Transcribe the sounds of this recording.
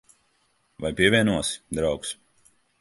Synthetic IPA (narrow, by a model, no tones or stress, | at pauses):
vajpʲiɛvʲiɛnuɔsd̪ɾawks